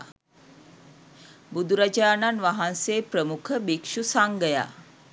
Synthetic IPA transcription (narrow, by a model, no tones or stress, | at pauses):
bud̪uɾad͡ʒaːnanʋaɦanseːpɾəmukʰəbikʂusaŋɡəja̰